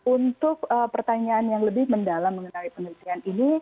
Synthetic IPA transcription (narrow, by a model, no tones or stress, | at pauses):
unt̪ʊk̚əpərt̪aɲaːnjaŋləbɪhməndalamːəŋənalipənəlt̪ianini